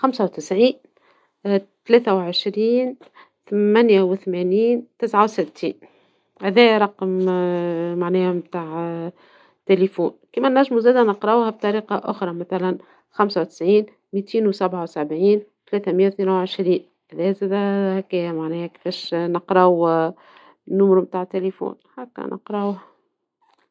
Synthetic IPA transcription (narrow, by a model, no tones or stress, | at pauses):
xamsæwt̪ɪsʕiːn | t̪læːt̪æwʕəʃɾiːn | t̪mænjæwɪθmæniːnt̪ɪsʕawsɪt̪ʰːiːn | hæðɛːɾˤɑqm | maʕnɛːhæmt̪aːʕ | t̪elifṵːnkiːmænæʒːmuzæːd̪ænɑqɾˤɑwhæb̚t̪ˤɑɾiːqɑʔʊ̰xɾˤɑmæθælæn | xamsawt̪ɪ̥sʕiːn | miːt̪ʰiːnwsæbʕawsæbʕiːnt̪lɛːθæməjːæwθniːnawʕeʃɾiːn | hæðɛːzæːd̪æhækæːjæmaʕnɛːhækɪ̥fɛːʃnɑqɾˤɑw | nːʊmɾmt̪aːʕt̪ːelifṵːnhakːæ̰nʔɑ̰qɾˤɑwh